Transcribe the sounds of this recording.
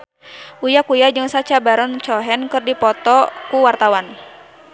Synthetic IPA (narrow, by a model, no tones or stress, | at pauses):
ʔujakujad͡ʒɨŋsat͡ʃabaɾɔnt͡ʃɔɦɛnkɨrdipɔt̪ɔkuwart̪awan